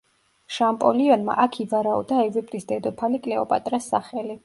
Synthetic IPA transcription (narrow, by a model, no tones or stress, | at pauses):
ʃampʼɔliɔnma̰ʔakʰivaɾaɔ̰d̪aɛvɾɛpʼɾisd̪ɛd̪ɔpʰalikʼlɛɔpʼa̰t̪ʼɾasːa̰χɛli